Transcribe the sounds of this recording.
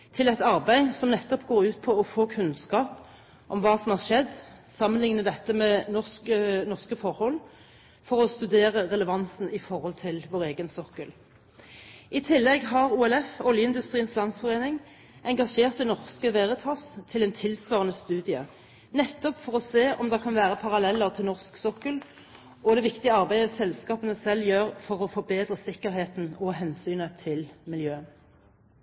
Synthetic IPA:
t̪ʰɪlɛt̪ɑʁbæɪsɔmnɛt̪ːɔpɡoːʁʉːt̪pʰɔɔfoːkʰʉnskɑːp | ʔɔmʋɑːsɔmhɑːʁʃɛd̪ːsɑmənlɪŋnəd̪ɛt̪ːəmɛnɔskənɔʁskəfɔɾhɔlː | fɔʁɔst̪ʉd̪eːʁəʁɛləʋɑnsn̩ɪfɔʁhɔlt̪ʰɪlʋoːʁeːɡənsɔkəl | ʔɪt̪ʰɪlːɛɡɦɑʁuːɛlɛfɔljəɪnd̪ʉst̪ʁiːənslɑnsfɔʁeːnɪŋ | ʔɛŋɡɑʃeːʁt̪d̪ɛnɔʁskəʋeːʁət̪ʰɑst̪ʰɪlɛnt̪ʰɪlsʋɑːʁənəst̪ʉːd̪ɪə̰ | nɛt̪ːɔpfɔʁɔseːʔɔmd̪ɛkʰɑnʋæːʁəpʰɑʁɑlɛlːəʁt̪ʰɪlnɔʁsksɔkːəl | ʔɔd̪ɛʋɪkt̪ɪəɑʁbæɪəsɛlskɑːpənəsɛlːjøːʁfɔʁɔfɔbeːd̪ʁəsɪkːəʁɦeːt̪n̩ɔɦɛnsyːnət̪ʰɪlmɪljøːən

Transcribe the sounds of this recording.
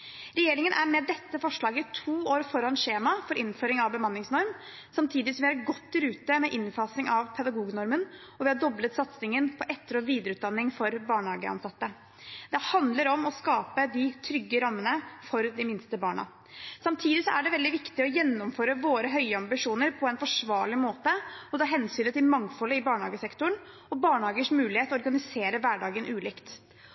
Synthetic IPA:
ɾɛjeːɾɪŋənʔæmɛd̪ɛt̪ːəfɔʂɭɑːɡət̪ʰuːoːɾfɔɾɑnʂeːmɑfɔɾʔɪnføːɾɪŋɑʋbəmɑnːɪŋsnɔɾm | sɑmt̪ʰiːd̪ɪsɔmʋɪhɑɾɡɔt̪ːɪɾʉːt̪əmɛʔɪnfɑːsnɪŋʔɑʋpʰɛd̪ɑɡuːɡnɔɾmən | ɔʋɪhɑdɔblət̪sɑt̪snɪŋənpʰɔʔɛt̪ːəɾoːʋiːd̪əɾəʉːt̪̚d̪ɑnːɪŋfɔɾbɑːɳhɑːɡəɑ̰nsɑt̪ːə | d̪̥ɛhɑnd̪ləɾɔmɔskɑːpəd̪ɪt̪ʰɾʏɡːəɾɑmːənəfɔɾd̪ɪmɪnst̪əbɑːɳɑ̰ | sɑmt̪ʰiːd̪ɪsɔʔæɖɛʋɛld̪ɪʋɪkt̪ɪɔjɛnːɔmføːɾəʋoːɾəɦœʏəɑmbɪʂuːnəɾpʰɔɛnfɔʂʋɑːɭɪmoːt̪əɔt̪ʰɑːɦɛnsyːnːət̪ɪlmɑŋfɔlːəɪbɑːɳhɑ̰ːɡəsɛkt̪ʊɳ | ɔbɑːɳhɑːɡəʂmʉːlɪheːt̪ɔɔɾɡɑnɪseːɾəʋæɖɑːɡənʔʉːlɪːkt̪

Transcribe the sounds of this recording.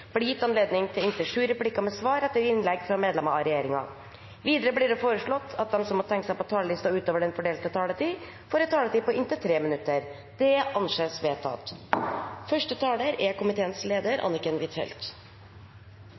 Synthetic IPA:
b̥lɪjɪt̪ːɑnleːd̪nɪŋt̪ʰɪlɪnt̪əʂʉːɾɛplɪkːɑmɛsʋɑːɾɛt̪ːəɾɪnlɛɡfɾɑmeːd̪lɛmɑɑɾɛjeːɾɪŋɑ̰ | ʋiːd̪əɾəblɪɖɛfoːɾəʂɭɔt̪ːɑt̪̚d̪ɛmsɔmːɔt̪ʰɛŋkəsæɪpʰɔt̪ʰɑːləlɪst̪ɑʉːt̪oːʋəɖɛnfɔɖeːlt̪ət̪ʰɑːlət̪iː | foːɾɛt̪t̪ʰːɑːlət̪iːpɔɪnt̪ət̪ʰɾeːmɪnʉt̪ːəɾ | d̪̥ɛɑnʂeːsʋeːt̪ʰɑ̰t̪ | fœʂʈət̪ʰɑːləɾɛkʊmɪt̪ʰeːənsleːd̪əɾʔɑ̰nɪkənʋɪt̪ʰɛ̰lt̪

